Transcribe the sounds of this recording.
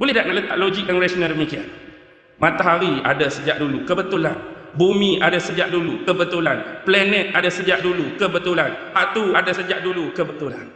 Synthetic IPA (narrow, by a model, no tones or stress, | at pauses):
b̥olɛɦdaʔŋaʔlət̪a̰ʔ̚lod͡ʒik̚daŋɾasənədəmikia̰n | mãt̪aɦaɾia̰dasəd͡ʒaʔdulukəbət̪ulan | bumĩadasəd͡ʒaʔdulukəbət̪ulanplɛnɛt̪̚adasəd͡ʒaʔdulukəbət̪ulanhat̪uadasəd͡ʒaʔdulukəbət̪ula̰n